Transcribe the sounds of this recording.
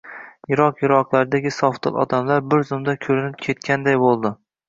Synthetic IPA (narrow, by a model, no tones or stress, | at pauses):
jɪɾɒqjɪɾɒqlˠaɾɪd̪aɡʲɪsɒft̪ʰɨ̰lˠɒ̰d̪amlaɾbɪɾzʊmd̪akʲʰɵɾɪnɪp̚kʲʰe̞t̪kʲʰand̪ajbolˠd̪ɪ